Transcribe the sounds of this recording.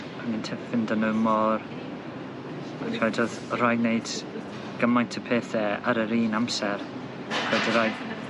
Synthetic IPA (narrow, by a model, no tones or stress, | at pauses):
ənintʰɛvfɪndənəmɔɾ | akʰɛdɔð | ɾajnejd̥ | ɡ̥əmajntʰəpʰeːθɛə̰ɾəɾiːnamsɛɾ | kʰɛdəɾaj